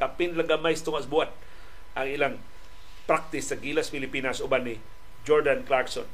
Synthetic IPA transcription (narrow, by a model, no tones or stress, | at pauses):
kapɪnlɐɡamajst̪ʊŋaʔsbuat̪̚ | ʔɐŋɪlaŋ | pɾak̚t̪ɪsːɐɡilaspɪlɪpiːnɐsʊbanɪ | d͡ʒoɹd̪anklaɹkso̰n